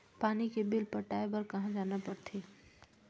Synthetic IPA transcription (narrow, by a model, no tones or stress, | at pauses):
paːnikebɪlpɐʈaːebɐɾkɐɦãd͡ʒaːnapɐɾt̪ʰeː